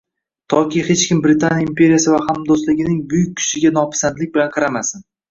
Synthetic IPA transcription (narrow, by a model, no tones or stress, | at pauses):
t̪ʰɒkʲijhet͡ʃkʲʰɪmbɾɪt̪ʰanjaimpʰʲe̞ɾijasɪvahamd̪oslɪɡʲɪnɪŋbʊjɪk̚ʲːʰʊ̥ʃɪɡʲan̪ɒpʰɪ̥sand̪lɪk̚ʲbɪlanqʰɑɾamasɪn